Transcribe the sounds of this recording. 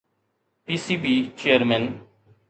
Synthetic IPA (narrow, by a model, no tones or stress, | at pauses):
piːsiːbiːt͡ʃejəɾmɛ̃n